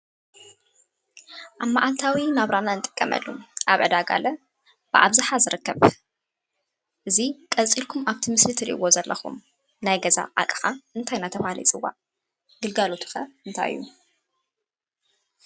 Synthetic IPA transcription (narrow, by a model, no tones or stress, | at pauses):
ʔaβmaʔalt̪ʰawimaβɾananɨt̪ʼɨ̥kʼːɐmʔɐ̰lːṵʔaβʕɨd̪aɡa̰lɐ | b̥ɨʔa̰βzaħazɨɾɨkːɐβ | ʔɨzikʼɐt͡sʼilkʰumaβt̪ʰimɨslɨt̪ʰɨɾḭʔɨwo̞zɐlːɐxṵm | najɡɐza̰ʔa̰kʼɨ̥xaɨnt̪ʰajnat̪ʰɐfhalḭt͡sʼɨwːa̰ | ɡɨlɡalo̞t̪ʰɨ̥xɐɨnt̪ʰa̰jɨ̰jːṵ